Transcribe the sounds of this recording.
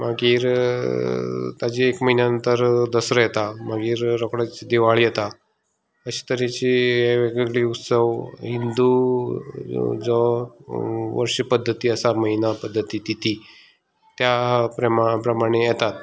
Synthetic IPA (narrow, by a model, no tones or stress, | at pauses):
maɡiːɾ | t̪ad͡ʑiːekməɦinjaənt̪əɾd̪əsɾəjɛt̪amaɡiːɾɾɔkɽat͡ɕid̪iʋaɭijɛt̪a | əɕi̥t̪əɾit͡ɕieʋeɡeɡɭiːut̪səʋɦind̪u | d͡zɔ | ʋə̰ɾʂipəd̪ʱːət̪iːəsaməɦinapəd̪ʱːət̪it̪it̪i | t̪japɾəmapɾəmaɽ̃ejɛt̪at̪